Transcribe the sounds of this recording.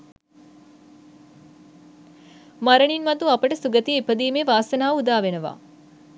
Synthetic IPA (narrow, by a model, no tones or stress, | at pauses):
maɾəɳinmɐd̪uapəʈəsuɡət̪iepəd̪iːmeːʋaːsɐnaːud̪aːʋenəʋa̰ː